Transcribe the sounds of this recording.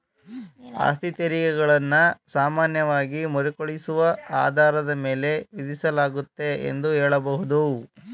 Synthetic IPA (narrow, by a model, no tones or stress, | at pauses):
a̰ːst̪it̪ɐɾikɛɡɐɭɐnːɐsaːmaːnjɐʋaːɡimɔɾikoɭisuʋɐaːd̪ʱaːɾɐd̪ɐme̞ːle̞ʋid̪isɐlaːɡut̪ːe̞ḛnd̪uɦɛːɭɐbɐɦud̪u